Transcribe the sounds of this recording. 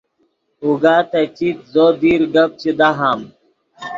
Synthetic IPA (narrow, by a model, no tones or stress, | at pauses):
uɡaːt̪ɐt͡ɕit̪̚zoːd̪iːɾɡɐp̚t͡ɕid̪aɦaːm